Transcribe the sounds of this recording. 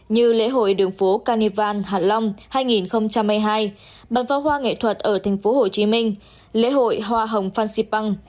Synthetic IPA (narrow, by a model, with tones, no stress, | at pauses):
ɲɨ˧lḛ˧˥ɦo̰˧˨jɗɨ˨˩əŋfo˨˦kaː˧ni˧vaː˧nɦaː˧˩nla˧wŋ͡mhaː˧jŋi˨˩nxə˧wŋ͡mt͡ɕa˧mhaː˧jɦaː˧j | ɓa˨˩nfaː˨˦wɦwaː˧ŋḛ˧˨t̪ʰwə˨˩t̚ʔəː˧˩t̪ʰa˨˩jŋ̟fo˨˦ɦo˨˩t͡ɕi˨˦mï˧ŋ̟ | lḛ˧˥ɦo̰˧˨jɦwaː˧ɦə˨˩wŋ͡mfaː˧nsi˧pa˧ŋ